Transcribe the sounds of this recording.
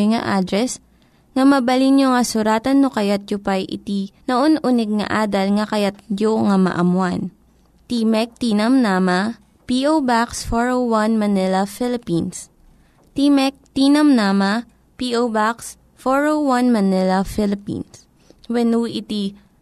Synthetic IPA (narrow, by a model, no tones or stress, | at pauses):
ŋɐ̰ʔad̪ɾɛs | ŋɐmɐbɐlinjoŋɐsʊɾaːt̪ɐnːokɐjat̪̚d͡ʒʊpajʔɪ̰t̪inɐʔonʔunɛɡ̚ŋɐ̰ʔaːd̪ɐlŋɐkɐjat̪̚d͡ʒoŋɐmɐ̰ʔɐmwan | t̪imɛk̚t̪inɐmnamɐ | piʔobaksfoɹowwanmɐnɪlɐfɪlɪpins | t̪imɛk̚t̪iːnɐmnamɐ | piʔobaks | foɹowɐnmɐnɪlɐfɪlɪpḭns | wɛnuʔɪt̪i